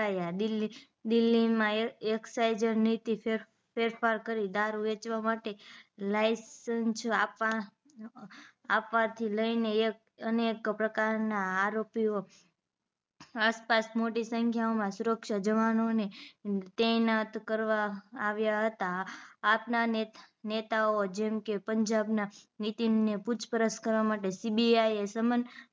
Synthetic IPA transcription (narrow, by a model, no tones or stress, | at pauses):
ajad̪ili | d̪ɪlːimãeksajd͡ʒəɾnit̪ie | feɾfaɾkəɾid̪aɾuʋet͡ʃʋamaʈelajsənsapa | apʋat̪ʰiləinek | ənekpɾəkaɾnaːɾopio | aspasmoʈisəŋkʰjaomãsuɾəkʃad͡ʒəʋanonet̪ɛnat̪kəɾʋaːʋjaɦət̪aːpnae | net̪aod͡ʒɛmkepəɲd͡ʒabnanit̪imneput͡ʃpəɾəskəɾʋamaʈesibiajesəmən